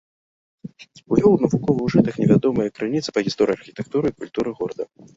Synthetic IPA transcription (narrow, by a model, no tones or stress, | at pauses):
uvʲɔwnɐvukɔvɨwʐɨt̪ɐxnʲɛvʲad̪ɔmɐjɐkɾɨnʲit̪sɐ̥pɐɣʲist̪ɔɾɨjɐrxʲit̪ɛk̚t̪uɾɨikulʲt̪uɾɨɣɔɾɐd̪ɐ